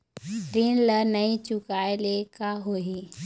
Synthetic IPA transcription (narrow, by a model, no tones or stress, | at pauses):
ɾinləɾnɐĩt͡ʃʊkaːelekaɦoi